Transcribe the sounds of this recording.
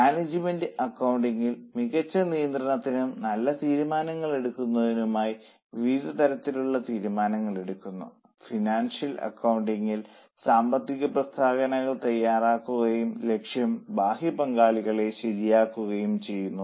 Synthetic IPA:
maːned͡ʑime̞ndɨɐkːɐwɳɖiŋɡilmiɣɐt͡ɕːɐnijɐnd̪rɐɳɐt̪ːinumnɐlːɐt̪iːɾumaːnɐŋːɐɭe̞ɽukːunːɐðinumaːji | ʋiːd̪ɐt̪ɐɾɐt̪ːiluɭːɐt̪iːɾumaːnɐŋːɐɭe̞ɽukːunːṵ | finaːnʂjɐlɐ̰kːɐwuɳɖiŋːil | saːmbɐt̪ːiɣɐprɐst̪ʰaːɣɐnɐɣɐɭt̪ɐjːaːraːkːuɣɐjumle̞kʂjɐmbaːɦipɐŋɡaːɭiɣɐɭe̞ɕeɾijaːkːuɣɐjumt͡ɕe̞jːunːu

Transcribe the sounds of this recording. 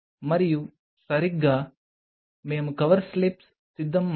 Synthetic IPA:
mɐɾiju | sɐɾiɡa | meːmkɐʋɐɾslips | sid̪ʱːɐmː

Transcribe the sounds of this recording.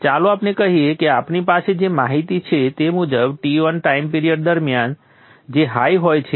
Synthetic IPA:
t͡ʃaloaːpnekəɦiekeaːpnipased͡ʒemaɦit̪it͡ʃʰet̪emud͡ʒəbʈiʋənʈaimpiɾijəɖ̚d̪əɾmjan | d͡ʒeɦajɦojt͡ʃʰe

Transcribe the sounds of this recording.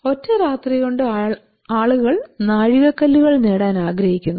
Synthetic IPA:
o̞tːɐɾaːt̪riɣoɳɖɨ | aːɭuɣɐɭnaːɻiɣɐkːɐlːuɣɐɭneːɽaːnaːɡɾɐhikʲːunː

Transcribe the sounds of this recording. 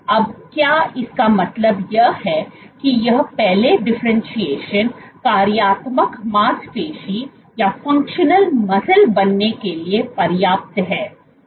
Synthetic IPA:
ɐbkjaːɪskamɐt̪ləbjɐɦhɛ | kijɐɦpɛɦleɖɪfɾə̃nʃieːʃənkaːɾjaːt̪məkmaːspeːʃi | jafɐ̃ŋkʃənəlmɐsəlbɐnːekeliepɐɾjaːp̚t̪ɦɛː

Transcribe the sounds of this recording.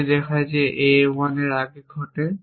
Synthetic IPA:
dɛkʰajzɛʔejwanɛɹaɡeɡʱɔtɛ

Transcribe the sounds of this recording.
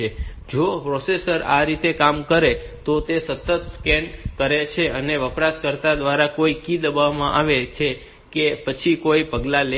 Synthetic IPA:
e | d͡ʒopɾosesəɾa̰ɾit̪ekamkəɾe | t̪ot̪esət̪ːət̪skɛnkəɾet͡ʃʰeəneʋəpɾaskəɾt̪ad̪ʋaɾakoikid̪əbaʋmãʔaʋet͡ʃʰe | kepət͡ʃʰikoipəɡlale

